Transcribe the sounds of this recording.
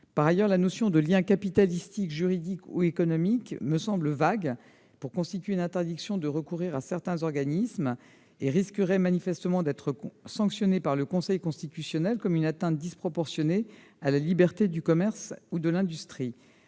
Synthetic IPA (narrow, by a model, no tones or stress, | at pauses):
paʁajœʁlanosjɔ̃d̪əljɛ̃kapit̪alist̪ikʒyʁid̪ikṵekɔnɔmikməsɑ̃bləvaɡ | puʁkɔ̃st̪it̪ɥeynɛ̃t̪ɛʁd̪iksjɔ̃d̪əʁəkuʁiʁasɛʁt̪ɛ̃zɔʁɡanism | eʁiskəʁɛmanifɛst̪əmɑ̃d̪ɛt̪χəsɑ̃ksjɔnepaʁləkɔ̃sɛjkɔ̃st̪it̪ysjɔnɛlkɔmynat̪ɛ̃t̪̚d̪ispχɔpɔʁsjɔne | alalibɛʁt̪ed̪ykɔmɛʁsud̪əlɛ̃d̪yst̪χi